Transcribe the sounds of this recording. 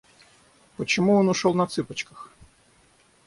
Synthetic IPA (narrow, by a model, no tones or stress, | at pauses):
pɔt͡ɕɔmuɔnʊʃɔlˠnɐt̪sɪpɐt͡ɕkɐx